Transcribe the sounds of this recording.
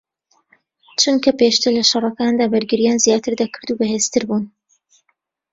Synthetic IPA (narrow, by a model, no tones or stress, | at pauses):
t͡ʃunkʰɐpeʃt̪ɨɾlɐʃɑrˤɑkaːnd̪aːbɐɾɡɨɾijaːnzjaːt̪ʰɨɾd̪akʰɨɾd̪ubɐɦeːst̪ɨɾbuːn